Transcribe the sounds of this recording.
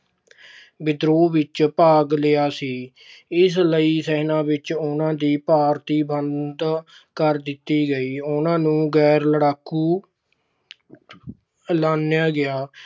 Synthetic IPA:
bɪd̪ɾoːʋɪt͡ʃpaːɡleːaːsiː | ɪsləiːsɛɦnãːʋɪt͡ʃʊnãːd̪iːpaːɾt̪iːbənd̪ | kəɾd̪ɪt̪ːiːɡəiːʊnãːnũːɡɛːɾləɽaːkːuː | laːnjaːɡɪaː

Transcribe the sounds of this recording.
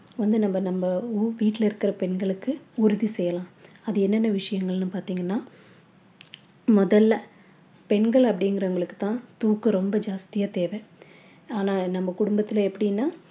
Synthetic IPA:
ʋɐnd̪ɯnɐmbɐnɐmbɐuːʋiːʈːɪlɪɾɯkːɪɾɐpɛɳɡɐɭɯkːɯʊɾɯðisɛjːɐlãː | ɐðɯɛnːɛnːɐʋɪʂɐjɐŋɡɐɭnɯpaːɾt̪iːŋɡɐnːaː | mɔðɐlːɐ | pɛnɡɐɭɐpːɐɽɪŋɡɪɾɐʊŋɡɐɭɯkːɯ̥t̪ːãːt̪uːkːɯɾɔmbɐd͡ʒaːst̪ɪjaːt̪eːʋɛ | aːnaːnɐmːɐkʊɽʊmbɐt̪ːɪlɐɛpːɐɽɪjnːaː

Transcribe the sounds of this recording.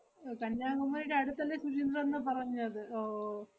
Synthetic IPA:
kɐnjaːɡɐmːɐniɽeɐɽut̪ːɐlːesuɾind̪rɐenːɨpɐrɐɲːuɐðɨo

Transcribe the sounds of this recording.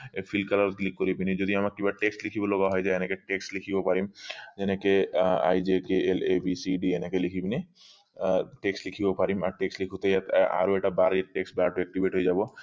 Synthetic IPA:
efʰilkalaɾɔt̪̚klikːoɾibinid͡ʑod̪iamakkibaʈeksʈlikʰiboloɡaɦɔjd͡ʑajɛnekeʈeksʈlikʰibopaɾimd͡ʒenekea̰jd͡ʒekeelebisiɖienekelikʰibini | ʈeksʈlikʰibopaɾima̰ɾʈeksʈlikʰut̪ajat̪a̰ɾoeʈabaɾeʈeksʈbaɾʈuek̚ʈibʱeʈɦojd͡ʑabo

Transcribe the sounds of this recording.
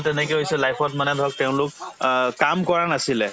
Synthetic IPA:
tɛnɛkɔjɦojsɛlajpʰɔtmanɛdʱɔk̚tɛʊ̃lʊk̚ː | amkɔɹanasilɛ

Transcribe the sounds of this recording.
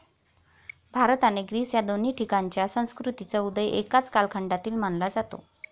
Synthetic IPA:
bʱaɾt̪aneɡɾiːsjad̪on̤iːʈʰikaɲt͡ɕjasə̃w̃skɾut̪it͡saud̪əjʔekat͡skalkʰəɳɖat̪iːlm̤anlad͡zat̪o̰

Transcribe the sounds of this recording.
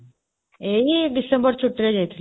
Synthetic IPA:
eːiɖisembɐrt͡ɕuʈːiɾed͡ʑejt̪ʰːil

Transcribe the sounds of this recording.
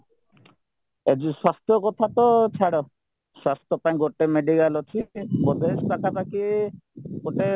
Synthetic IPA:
ed͡ʒiswast̪ɔkɔt̪ʰat̪ɔt͡ʃʰaɽɔ | swast̪ɔpãj̃ɡoʈemeɖikalot̪ʰibɔd̪esbakapaki | ɡoʈe

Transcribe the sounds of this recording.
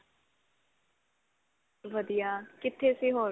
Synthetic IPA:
ʋəd̪ijaːkɪt̪ʰːeːsiːɦoː

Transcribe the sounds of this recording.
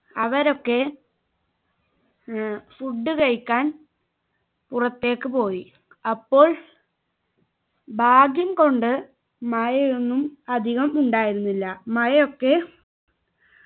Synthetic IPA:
ɐʋɐɾo̞kːe̞ | suɖːɨkɐɻikʲːaːn | purɐt̪ːe̞ːkːɨpo̞ːji | ɐpːo̞ːɭ | bʱaːɡjɐmko̞ɳɖɨ | mɐjɐjenːumɐd̪ʱiɣɐmuɳɖaːjiɾunːilːɐmɐjɐjo̞kːe̞

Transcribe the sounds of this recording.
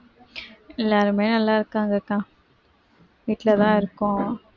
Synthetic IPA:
ɛlːaːɾɯmeːnɐlːaːɪɾɯkːaːŋɡɐkãː | ʋiːʈlɐt̪ãːɪɾɯkːʊ̃

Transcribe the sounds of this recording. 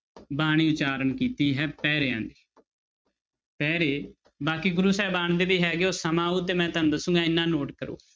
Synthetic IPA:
baːɽ̃iːʊt͡ʃaːɾəɳkiːt̪iːɦɛːpɛːɾeãːnd̪eː | pɛːɾeː | baːkiːɡʊɾuːsɛːbaːɳd̪eːbiːɦɛːɡeoːsəmãːuːt̪̬eːmɛ̃ːt̪ənd̪əsʊ̃ŋɡãːɪnːãːnoːʈkəɾṵː

